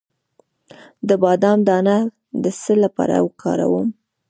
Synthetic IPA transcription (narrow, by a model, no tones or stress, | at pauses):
d̪əbɑd̪ɑmd̪ɑna | d̪əsəlapɑ̰ɾa̰wəkʰɑ̰ɾa̰wəm